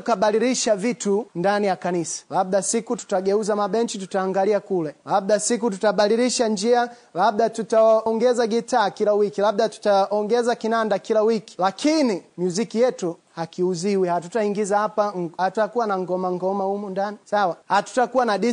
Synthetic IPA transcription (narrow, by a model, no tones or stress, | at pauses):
kaɓaliɾiʃavitundanijakanisḁlab̚ɗasikutu̥taɡɛuzamaɓɛnt͡ʃitutaːŋɡaliakulɛlabɗasik̬ututaɓaliɾiʃand͡ʒia | labɗatutaaɔŋɡɛzaɡitaːkilawikilaɓ̚ɗatu̥taɔŋɡɛzakinandakilawiki̥lakʰinimjuzikijɛtuhakiuziwihatutaiŋɡizahapahatuakuwanaŋɡɔmaŋɡɔmahumundanisawahatu̥takuwanaɗi